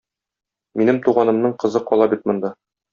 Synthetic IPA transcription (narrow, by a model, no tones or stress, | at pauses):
minɘmt̪uʁɑnɤ̆mnɤɴqɤ̆zɤqɒlˠɑbit̪̚mŏnd̪ɑ